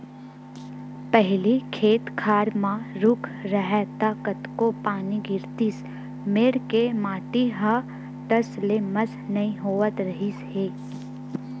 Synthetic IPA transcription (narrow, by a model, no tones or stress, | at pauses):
pɛɦlikʰeːt̪kʰaːɾmãɾʊkʰɾəɦɛt̪aːkət̪kopaːniɡɪɾt̪is | meːɽkemaːʈiɦə | t̪əsleməsnɐɦĩɦoːʋət̪ɾɐɦisheː